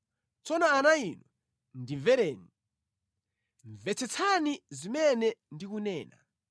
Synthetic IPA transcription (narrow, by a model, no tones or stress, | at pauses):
t͡sɔnɔanainɔ | ndivɛɾɛːni | ɱvɛt͡sʰɛt͡sʰanizimɛnɛndikunɛːna̰